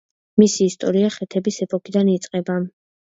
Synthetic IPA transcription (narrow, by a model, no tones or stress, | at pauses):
misiːst̪ʼɔɾiaχɛt̪ʰɛbisɛpʼɔkʰid̪anit̪sʼqʼɛba